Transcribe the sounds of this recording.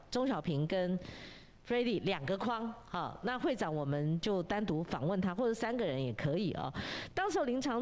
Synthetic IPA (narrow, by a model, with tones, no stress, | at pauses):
ʈ͡ʂo˥ŋɕjɑ˨˩ʊpʰi˧˥ŋkə˦˥n | fɹe˥ɪt̪i˨˩ljɑ˨˩ŋɡə˦kʰwɑ˥ŋɔ̰˥˩na˥˧xwe˥˩ɪʈ͡ʂɑ˨˩˦ŋwɔ˨˩mə˦nt͡ɕjo˥˩ʊt̪a˥nt̪u˧˥fɑ̰˨˩ŋwə˥˩nt̪ʰa˥xwɔ˥˩ʈ͡ʂɤ˨˩˦sa˥nɡə˨ɻə˧˦njɛ˨˩kʰɤ˧˦i˨˩ʔɔ̰˨˩t̪ɑ˥ŋʂ̩˧˥o˥˧˩li˧˥nʈ͡ʂʰɑ˧˥ŋ